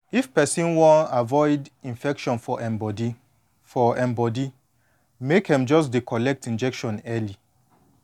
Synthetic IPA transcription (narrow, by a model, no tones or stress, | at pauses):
ifpɛsĩnwɔ̃avɔɪdĩnfɛkʃɔ̃nfɔʔɛ̃bɔdi | fɔɛ̃mbɔdi | mekhɛ̃md͡ʒɔs̬dikʰɔlɛk̚tĩnd͡ʒɛkʃɔ̃nɛli